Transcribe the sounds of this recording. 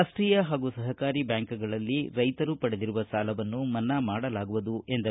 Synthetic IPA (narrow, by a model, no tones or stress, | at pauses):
asʈɾiːjaɦaːɡusɐɦɐkaːɾibjaːŋkuɡɐɭɐlːiɾɐjt̪ɐɾupɐɽed̪iɾuʋɐsaːlɐʋɐnːumɐnːɐmaːɽɐlaːɡuʋud̪uʔe̞nd̪ɐ